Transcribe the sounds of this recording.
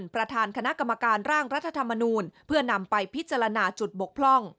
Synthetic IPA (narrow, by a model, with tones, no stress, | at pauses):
npɾa˧t̪ʰaː˧nkʰa˧na˦˥ʔka˧mːa˧kaː˧nɾaː˥˩ŋɾa˦˥t̪ʰːa˧t̪ʰa˧mːa˧nuː˧npʰɯ˥˩əna˧mpa˧jpʰi˦˥t̪̚t͡ɕa˧ɾa˧naː˧t͡ɕu˨˩t̪̚bo˨˩k̚pʰlɔ˥˩ŋ